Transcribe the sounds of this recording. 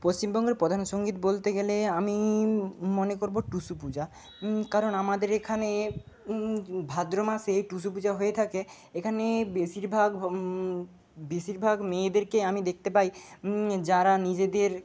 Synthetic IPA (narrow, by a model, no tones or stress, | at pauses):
post͡ɕimbɔŋɡeɾpɾod̪ʱanoʃoŋɡit̪bolt̪eɡeleami | monekoɾboʈusupud͡ʑa | kaɾonamad̪eɾekʰane | bʱad̪ɾomaʃejʈusupud͡ʑaɦojet̪ʰake | ekʰanebeʃiɾbʱaɡ | beʃiɾbʱaɡmed̪eɾkeamid̪ek̚ʰt̪epaj | d͡ʑaɾanid͡ʑed̪eɾ